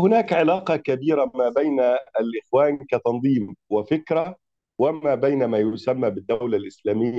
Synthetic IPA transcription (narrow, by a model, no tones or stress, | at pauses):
hʊnaːkʕɪlaːqɑkabiːɾamaːbajnalʔɪxwaːnkat̪ɑnðˤiːmwɪfɪkɾa | wɪmaːbajnamaːjʊsamːaːbɪd̪ːawlalʔɪslaːmɪjːa